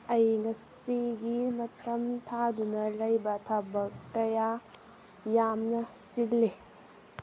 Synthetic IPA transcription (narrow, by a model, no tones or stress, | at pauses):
ɐjŋɐs | iɡimɐtɐmtʰadunɐlɐjbɐtʰɐbɐkːɐja | jamnɐ | t͡ʃilːe